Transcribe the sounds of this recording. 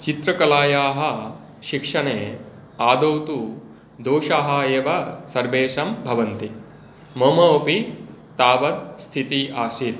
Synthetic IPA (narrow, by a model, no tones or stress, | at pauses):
t͡ʃit̪ɾɐkɐlaːjaːɦɐ̆ | ʃikʂɐɳeː | aːd̪owt̪u | d̪oːʃaːɦɐeːʋɐsɐɾbeːʃɐmbʱɐʋɐnt̪i | moːmɐopit̪aːʋɐt̪st̪ʰit̪iʔaːʃit̪̚